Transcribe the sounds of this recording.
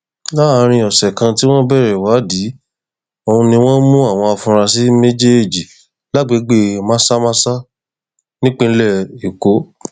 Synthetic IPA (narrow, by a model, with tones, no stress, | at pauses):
la˦˧ɾ̃ĩ˧ɔ˨sɛ˨kã˧ti˦w̃ɔ̃˦bɛ˦˨ɾɛ˨wa˨˦di˨˦ | o˧ũ˧nĩ˧w̃ɔ̃˦mũ˦a˦˨w̃ɔ̃˧a˧fũ˧ɾ̃ã˧si˦me˦d͡ʒe˦e˦˨d͡ʒi˨ | la˦˨ɡ͡be˨˦ɡ͡be˦mã˦sa˦mã˦sa˦ | nĩ˦k͡pẽ˦˧n̩˦lɛ˦˨i˨ko˨˦